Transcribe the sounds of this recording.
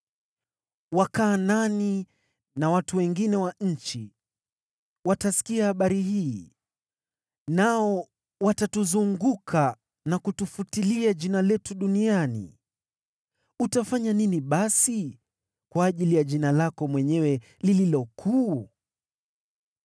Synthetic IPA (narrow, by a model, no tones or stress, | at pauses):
wakaːnani | nawatuwɛŋɡinɛwaɲ̩t͡ʃi | watasi̥kiahaɓaɾihiː | naɔ | watatuzuŋɡukʰa | nakutufutiliaʄinalɛtuɗunianḭ | utafaɲaniniɓasi | kwaːʄilijaʄinalakɔmwɛɲɛwɛ | lililɔkʰuː